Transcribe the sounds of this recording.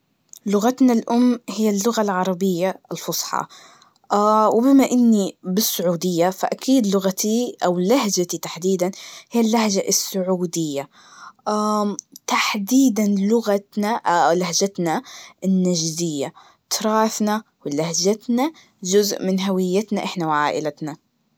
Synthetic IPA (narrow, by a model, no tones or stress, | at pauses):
lʊɣat̪nalʔʊmːhɪjːalːʊɣalʕɑɾˤɑbɪjːaɪlfʊsˤħɑ̰ | ʔawɪbɪmaʔɪnːibɪsːʊʕuːd̪ɪjːafaʔakiːd̪lʊɣat̪iʔawlahd͡ʒat̪it̪aħd̪iːd̪anhijːalːahʒaʔɪsːʊʕuːd̪ɪjːa | ʔat̪aħd̪iːd̪anlʊɣat̪nalahd͡ʒat̪naɪnːaʒzɪjːa | t̪ɾˤɑːθna | wɪlahd͡ʒat̪na | d͡ʒʊzʔmɪnɦawɪjːat̪naʔɪħnawʕaːʔɪlat̪na